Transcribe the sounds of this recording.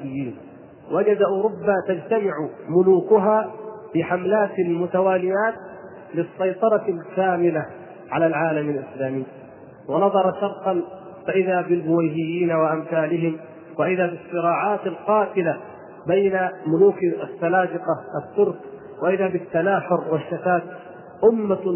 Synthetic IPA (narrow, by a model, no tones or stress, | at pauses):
bɪjːiːn | wad͡ʒad̪aʔuːɾʊbːaːt̪ad͡ʒt̪amɪʕʊmʊluːkʊɦaːbɪħamlaːt̪almʊt̪awaːlɪjaːt̪̚ | lɪsːɑjt̪ˤɑɾˤɑlkaːmɪla | ʕalaːlʕaːlamalʔɪslaːmɪjː | wanɑðˤɑɾˤɑʃɑɾˤt̪ˤɑn | faʔɪðaːbɪlbʊwajɦɪjːiːnawaʔamθaːlɪɦɪm | waʔɪðaːbɪsˤːɨɾɑːʕaːt̪alqɑːt̪ɪla | bajnamʊluːkasːalaːd̪ɪqɑʔat̪ːʊɾˤk | waʔɪðaːbɪt̪ːanaːħʊɾwaʃːat̪aːt̪ | ʔʊmːa